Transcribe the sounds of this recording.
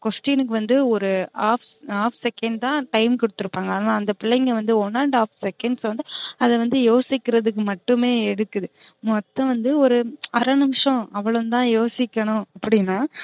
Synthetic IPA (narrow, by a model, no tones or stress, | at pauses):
kɔsʈiːnɯkːɯʋɐnd̪ɯɔɾɯaːfaːfsɛkɛɳɖt̪ãːʈɐɪmkɔɽɯt̪ːɯɾɯpːaːŋɡɐːnaːnd̪ɐpɪɭːɐɪŋɡeʋɐnd̪ɯɔnːɐɾɳɖaːfsɛkːɛɳɖsʋɐnd̪ɯɐðɛʋɐnd̪ɯjoːsɪkːɪɾɐðɯk̬ːɯmɐʈːɯmeːɛɽɯt̪ːɯðɯmɔt̪ːɐ̃ʋɐnd̪ɯɔɾɯɐɾɐnɯmʂɐ̃ɐʋːɐɭɯnt̪ãːjoːsɪkːɐɳʊ̃ɐpːɐɽɪnːaː